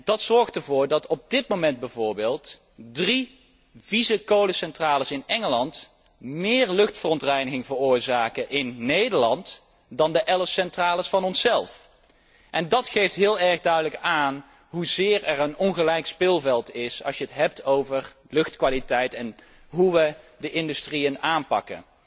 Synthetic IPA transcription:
d̥ɑtsɔɹχtəɹvʊːɹdɑtɔb̚dɪt̚mowmɛnd̚bɛvʊːɹbeːlˠt | dri | vizəkowləsɛntraːləsɪnɛŋəlɑnt | mɪːɹlɵχtfərɔntrɛjnəɣɪŋvərʊːɹzaːkəʔɪnːejdəɹlɑnt | dɑndəʔɛləfsɛntraːləsfɑnɔnsɛlˠf | ʔɛndɑtχejftɦɪːlˠɛɹχdœɥdələkaːn | ɦuzɪːɹɛrənɔnχəlɛjkspɪlˠvɛlˠtɪsɑ̰sjəətɦɛp̚tʰowvər | lɵxtkʋaːlitɛjtɛn | ɦuʋədəʔɪndystriənaːnpɑ̰kə̰n

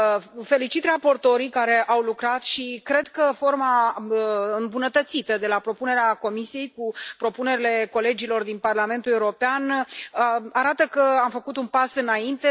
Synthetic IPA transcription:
fe̞lit͡ʃit̪rapo̞rt̪o̞ɾikaɾe̞ʔawlukɾat̪ʃikɾe̞d̪kəfo̞rma | ɨmbunət̪ət̪sit̪əd̪e̞lapɾo̞pune̞ɾeako̞misie̞jkupɾo̞pune̞ɾile̞ko̞le̞d͡ʒilo̞rd̪inparlame̞nt̪uluɾo̞peanəaɾat̪əkəamfəkut̪unpasɨnaint̪e̞

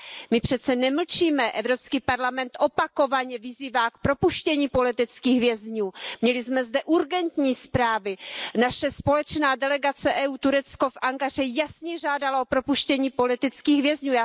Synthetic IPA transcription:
mɪpr̥ɛt̪t͡sɛnɛml̩t͡ʃiːmɛʔɛvɾopskiːpaɾlamɛnt̪ʔo̞pako̞vaɲɛvɪziːvaːk̚pɾo̞puʃcɛɲiːpo̞lɪt̪ɪt͡skiːxɣɦvjɛzɲuːmɲɛlɪzmɛzdɛʔuɾɡɛnt̪ɲiːspɾaːvɪnaʃɛspo̞lɛt͡ʃnaːdɛlɛɡat͡sɛʔɛuːt̪uɾɛt͡sko̞fʔaŋkar̝ɛjasɲɛʒaːdalao̞pɾo̞puʃcɛɲiːpo̞lɪt̪ɪt͡skiːxɣɦvjɛzɲuːjaː

